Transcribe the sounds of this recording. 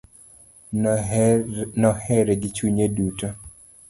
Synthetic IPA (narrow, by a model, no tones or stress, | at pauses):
nɔhɛɾeɡɪt͡ʃuɲeduto